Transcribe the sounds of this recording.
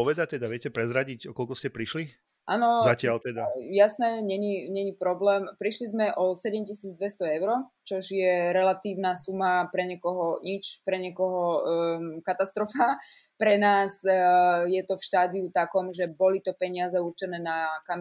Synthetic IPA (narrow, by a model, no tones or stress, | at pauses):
ɔʋɛd̪ac̚t̪ɛd̪aʋɪɛcɛpɾɛzɾaɟicɔkɔlkɔscɛpɾiʃli | ʔaːnɔzacɪalt̪ɛd̪ajasnɛɲɛɲiɲɛɲipɾɔblɛːmpɾiʃlizmɛʔɔsɛɟɛmcisiːd͡zd̪ʋɛst̪ɔɛʊɾɔt͡ʃɔʒjɛɾɛlat̪iːʊnasumapɾɛɲɛkɔɦɔɲit͡ʃpɾɛɲɛkɔɦɔ | kat̪ast̪ɾɔfapɾɛnaːz | jɛt̪ɔfʃt̪aːd̪iut̪akɔmʒɛbɔlit̪ɔpɛɲɪazɛuɾt͡ʃɛnɛːnakam